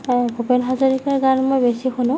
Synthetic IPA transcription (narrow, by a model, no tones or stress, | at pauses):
bupenɦɔzɔɹikaɹɡanmojbesixunʊ̃